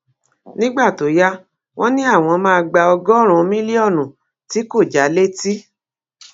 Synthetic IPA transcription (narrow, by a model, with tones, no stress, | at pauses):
nĩ˦ɡ͡ba˦˨to˨˦ja˦ | w̃ɔ̃˦nĩ˦a˦˨w̃ɔ̃˧mãː˦˧ɡ͡ba˧ɔ˧ɡɔ˦ɾ̃ũ˧mĩ˦li˦ɔ˦˨nũ˨ | ti˨˦ko˦˨d͡ʒa˨˦le˦ti˦